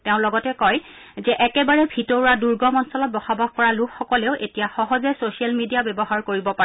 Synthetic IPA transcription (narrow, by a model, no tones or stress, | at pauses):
teʊ̃lɔɡɔtɛkɔj | zɛʔɛkɛbaɹɛbʱitɔɹaduɹɡɔmɔnsɔlɔt̚bɔxabʱab̚ʱkɔɹalukʰxɔkɔleʊʔetijaxɔɦɔzɛsosialmidijabɛbɔɦaɹkoɹibɔpaɛ